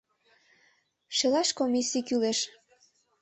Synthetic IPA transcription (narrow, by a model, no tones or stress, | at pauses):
ʃelɑʃkomisikyleʃ